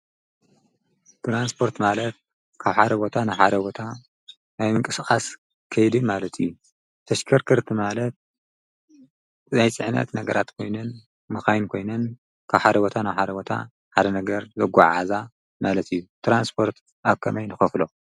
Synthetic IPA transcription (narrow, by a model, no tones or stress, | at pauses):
t̪ʰɾanspʰo̞ɾt̪malɐt̪̚ | kʰaβħad̪ɐbot̪ʰanajħad̪ɐbo̞t̪ʰa | najmɨŋkʼɨsɨχʼas | kʰɐjd̪imalɐt̪ʰijːu | t̪ʰɐʃkʰɐɾkʰɨɾt̪ʰimalɐt̪̚ | zajt͡sʼɨʕnɐ̰t̪nɐɡɐɾat̪kʰo̞jnɐn | mɨxajnkʰo̞jnɐn | kʰaβħad̪ɐbo̞t̪ʰanajħad̪ɐbo̞t̪ʰa̰ | ħad̪ɐnɐɡɐɾzɐɡa̰ʕa̰za | malɐt̪ʰijːut̪ʰɾanspʰo̞ɾt̪ | aβkʰɐmɐjnɨxɐflo